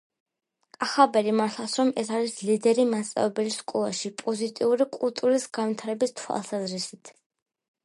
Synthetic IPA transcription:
kʼaχabɛɾimaɾt̪ʰlˠasɾɔmɛsaɾislid̪ɛɾimant̪sʼa̰vɛbɛliskʼɔlˠa̰ʃipʼɔzit̪ʼiuɾikʼulˠt̪ʼuɾisɡanvwit̪ʰaɾɛbist̪ʰwa̰lˠsazɾisit̪ʰ

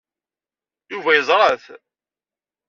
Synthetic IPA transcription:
juvæjəzˤɾˤəθ

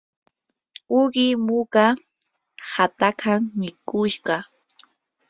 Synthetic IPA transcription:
ʊɢɪmʊɢa | hat̪akʰaŋmɪkʊʃɢɑ

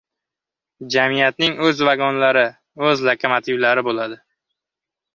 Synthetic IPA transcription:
d͡ʒamijat̪nɪŋɵzvaɡɒnlaɾɪ | ɵzlakʰomat̪ʰɪvlaɾɪbolad̪ɪ

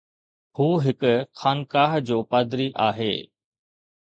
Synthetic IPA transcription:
huːɦɪkʊxaːnkaːɦd͡ʑoːpaːd̪ɾiʔaːɦḛː

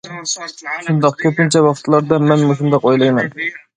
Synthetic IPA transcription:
ʃund̪ɑq̚kʲʰɵpɪnt͡ʃʰɛwɑχt̪ʰlˠɑɾd̪ɑmɛnmoʃ̬und̪ɑqojlˠɑjmɛn

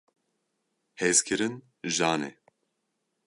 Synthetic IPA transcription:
hezkʰɨɾɨn | ʒaːnḛ

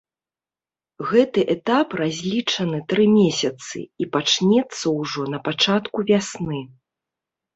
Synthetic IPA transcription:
ɣɛt̪ɨʔɛt̪aprazʲlʲit͡ʂɐnɨt̪ɾɨmʲesʲɐt̪sɨ̰ipat͡ʂnʲɛt̪sːɐwʐɔnɐpat͡ʂat̪kuvʲasnɨ

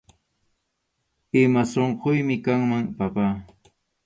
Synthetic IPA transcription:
ɪmasoɴqojmɪkaŋmaŋpapaː

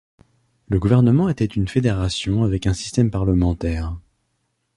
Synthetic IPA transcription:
ləɡuvɛʁnəmɑ̃et̪ɛt̪ynfed̪eʁasjɔ̃avɛkɛ̃si̥st̪ɛmpaʁləmɑ̃t̪ɛːʁ

